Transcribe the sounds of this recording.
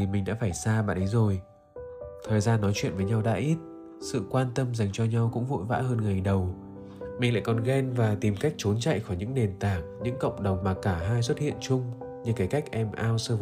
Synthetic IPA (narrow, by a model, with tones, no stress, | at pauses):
i˨˩mï˨ŋ̟ɗa̰ː˧˥faː˧˩jsaː˧ɓa̰ː˧˨nʔə˨˦jzo˨˩j | t̪ʰəː˨˩jzaː˧nːɔ˨˦jt͡ɕwḭ˧˨ənvəː˨˦jɲa˧wɗa̰ː˧˥ʔi˦˥t̚ | sɨ̰˧˨kwaː˧nt̪ə˧mza˨˩jŋ̟t͡ɕɔ˧ɲa˧wkʊ̰˧˥ŋ͡mvo̰˧˨jva̰ː˧˥həː˧nŋa˨˩jɗə˨˩w | mï˨˩ŋ̟la̰ː˧˨jkɔ˨˩nɣɛ˧nvaː˨˩t̪i˨˩mka˦˥jk̚t͡ɕo˨˦nt͡ɕa̰˧˨jxɔ˧˩jɲɨ̰˧˥ŋne˨˩nt̪aː˨˩k̚ɲɨ̰˧˥ŋkə̰˧˨wŋ͡mɗə˨˩wŋ͡mmaː˨˩kaː˧˩ɦaː˧jswə˦˥t̚hḭ˧˨ənt͡ɕʊ˧ŋ͡mɲɨ˧ka˨˧˩ka˦˥jk̚ʔɛ˧mʔaː˧wsɨ˧